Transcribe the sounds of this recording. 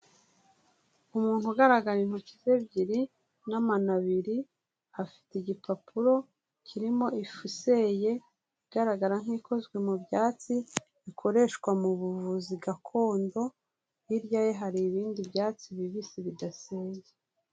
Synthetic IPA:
umuːn̥huɡaɾaɡaɾin̥hucize̞bɟiɾi | namanaβiɾi | hafi̥teiɟipapʰuɾo̞ | cʰiɾimo̞ifuse̞je̞ | iɡaɾaɡaɾaŋ̥iko̞zɡwe̞mubjaːt͡si | ikʰo̞ɾe̞ʃwamuβuvuziɡakʰo̞ːndo̞ | jiɾjajeɦaɾiːβiːndibjaːt͡siβiβisiβidaseːɲɟe

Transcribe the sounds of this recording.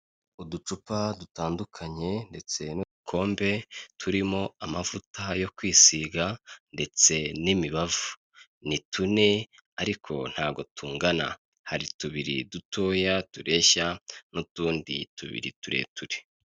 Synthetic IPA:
udut͡ʃupadutaːndukʰaɲe̞nde̞t͡se̞nudukʰo̞ːmbe̞tʰuɾimo̞amavutajo̞kwiːsiɡande̞t͡se̞nimiβavu̥ | nitʰune̞ | aɾikʰo̞̰n̥haːɡo̞tuːŋɡana̰ | haɾituβiɾḭdutʰo̞ːjatuɾʔe̞çanutuːndḭtuβḭɾḭtuɾe̞̰ːtuɾe̥

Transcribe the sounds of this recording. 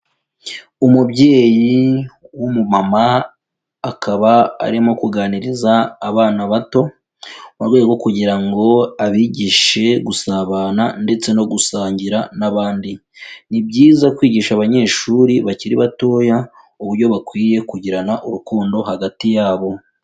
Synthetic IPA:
umubɟe̞ːjiwumumamaː | kʰaβa̰ːɾimo̞kuɡaːniɾizaːβaːnaβato̞ | maɾwejɡo̞kuɟiɾaŋɡo̞aβiɟiʃe̞ɡusaβaːnande̞t͡se̞no̞ɡusaːɲɟiɾanaβaːndinibɟiːzakwiːɟiːʃaβaɲe̞ːʃuɾiβaciɾiβato̞ːja | uβuɾɟo̞βakwiːje̞kuɟiɾanaʔuɾukoːndo̞haɡatijaːβo̞

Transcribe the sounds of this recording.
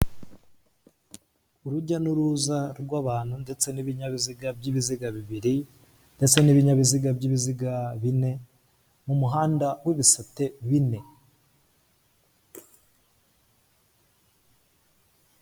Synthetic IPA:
uɾuɟanuɾuzaɾɡwaːβaːn̥hunde̞t͡se̞niβiɲaβiziɡabɟiβiziɡaβiβiɾi | ndet͡se̞niβiɲaβiziɡabɟiːβiziɡaβine̞ | mumuɦaːndawiβisate̞βine̞

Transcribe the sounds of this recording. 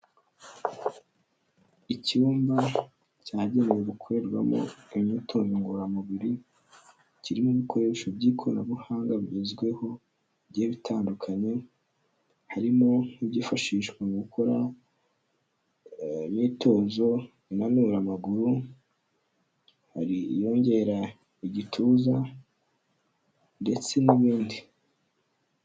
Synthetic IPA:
icuːmba | caːɟe̞ne̞weɡukʰo̞ɾe̞ɾɡwa̰mo̞̰imɲiːtʰoːzoŋɡuɾamuβiɾi | ciɾimoβiko̞ɾe̞ːʃobɟiːkʰoɾnaβuhaːŋɡaβɟezɡwe̞ho̞ | bɟːβitʰaːndukʰaɲe̞ | haɾimo̞ibɟifaʃiːʃkwaŋɡukʰo̞ɾa | miːto̞ːzo̞ | inanuɾamaɡuɾu | haɾḭjo̞ːɲɟe̞ɾa | iɟitʰuːza | nde̞t͡se̞niβiːndi

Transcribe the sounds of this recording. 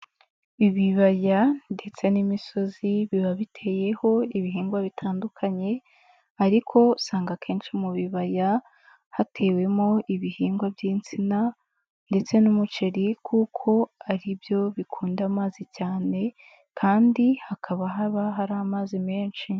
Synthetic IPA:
iβiβajande̞t͡se̞nimiso̞ziβiβaβitʰe̞ːje̞ho̞iβiɦiːŋɡwaβitʰaːndukʰaɲe̞ | aɾikʰo̞saːŋɡakʰe̞ːnʃimuβiβaja | hatʰe̞we̞mo̞ʔiβihiːŋɡwabjiːnt͡sina | nde̞t͡se̞numut͡ʃe̞ɾikʰuːkʰo̞aɾibjo̞βikʰuːndamaːzicaːne̞ | kʰaːndihakʰaβaɦaβaɦaɾaːmaːzime̞ːnʃi

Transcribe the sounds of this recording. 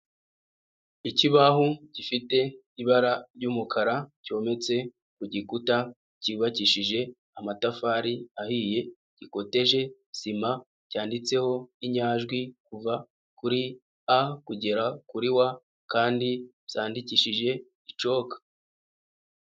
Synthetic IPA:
iciβahuɟ̥ifite̞ | iβaɾaɾɟuːmukʰaɾaco̞ːme̞t͡se̞ | kuɟikuta | ciβaciʃiʒe̞ | amatafaɾiahiːje̞ | ɟ̥iko̞te̞ʒe̞ | sima | caːndit͡se̞ho̞iɲaːʒɡwikuva | kuɾi | akuɟe̞ɾakuɾiwa | kaːndiβz̥aːndiciʃiʒe̞ | it͡ʃo̞kḁ

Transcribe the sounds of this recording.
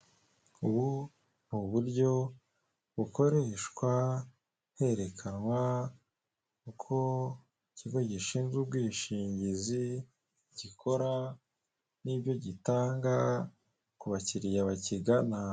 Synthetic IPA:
uβu | βuβuɾɟo̞ | βuko̞ɾe̞ʃkwa | he̞ɾe̞kʰanwa | kukʰo̞ | iciɡo̞ɟiʃiːnzɡubɡwiːʃiːɲɟizi | ɟ̥ikʰo̞ɾa | nibjo̞ɟitaːŋɡa | kuβaciɾijaβaciɡana

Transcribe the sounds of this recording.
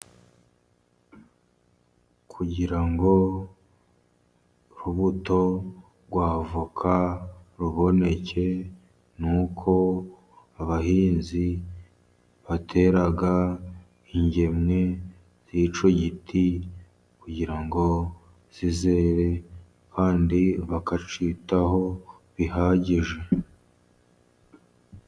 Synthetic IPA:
kʰuɟiɾaŋɡo̞ | ɾuβuto̞ | ɡwaːvukʰaɾuβo̞ne̞cʰe̞ | nukʰo̞ | aβahiːnzi | βatʰe̞ɾaɡa | iɲɟe̞mŋe̞ | z̥iːt͡ʃoɟitʰi | kuɟiɾaŋɡo̞ | z̥ize̞ːɾe̞ | kaːndiβakat͡ʃitaho̞ | βihaɟiʒe̞

